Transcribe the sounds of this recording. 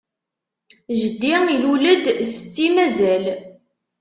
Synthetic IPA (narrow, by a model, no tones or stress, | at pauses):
ʒəd̪ːiiluləd̪sə̥t͡sːimæzæl